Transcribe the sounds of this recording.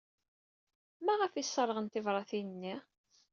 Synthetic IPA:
mæʁəfisˤːɑɾˤʁənt̪ɪvɾˤɑθinənːi

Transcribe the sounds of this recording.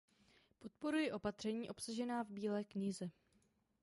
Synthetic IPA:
po̞t̪̚po̞ɾujɪʔo̞pat̪r̝̥ɛɲiːʔo̞psaʒɛnaːvbiːlɛːkɲɪzɛ

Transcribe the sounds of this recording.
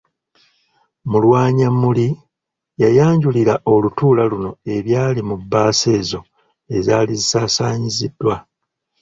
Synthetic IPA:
mulwaːɲamuli | jajaːɲɟuliɾaʔo̞lutuːlaluno̞e̞βjaːlimubːaːse̞ːzo̞ | e̞zaːlizisaːsaːɲizidːwa

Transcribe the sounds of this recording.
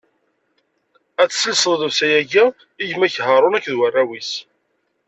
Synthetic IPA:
æt͡sːsəlsəððəwsæjæʝæ | iʝmæçhəɾˤʊnækːðwərˤːæwis

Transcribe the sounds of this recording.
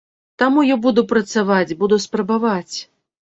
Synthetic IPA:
t̪amujabud̪upɾɐt̪savat͡sʲbud̪uspɾɐbavat͡sʲ

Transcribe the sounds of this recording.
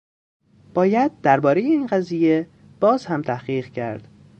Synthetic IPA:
b̥ɒːjæd̪̚ːæɾbɒːɾejeiːnɢæziːje̞ | b̥ɒːzhæmt̪ʰæhɢiːʁcʰæ̰ɾd̪̥

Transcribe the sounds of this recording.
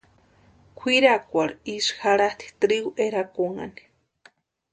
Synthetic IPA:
kʷʰiɾakʷaɾisxaɾat̪i̥t̪ɾiɣuʔeɾakoŋa̰ni̥

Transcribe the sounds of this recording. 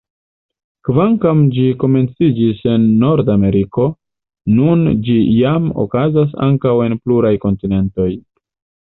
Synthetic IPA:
kvaŋkamd͡ʒiko̞me̞nt͡sid͡ʒise̞nːo̞ɾdame̞ɾiko̞ | nund͡ʒijamo̰kazas̬a̰ŋkawe̞npluɾajko̞ntine̞nto̞j

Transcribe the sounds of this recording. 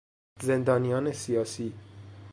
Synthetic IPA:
zend̪ɒːnijɒːnesijɒːsiː

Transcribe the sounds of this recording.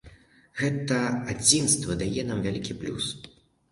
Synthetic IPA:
ɣɛt̪ɐad͡zʲinst̪vɐd̪ajɛnamvʲalʲikʲiplʲṵs

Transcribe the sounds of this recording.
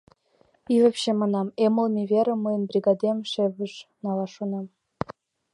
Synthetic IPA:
ivʲɘ̆pʲɕĕmɑnɑmemɤ̆lˠmʲevʲeɾʲɘ̆mɤjə̆nbrʲiɡɑd̪ʲemʲʂevʲɘ̆ʃnɑlˠɑʂunɑm

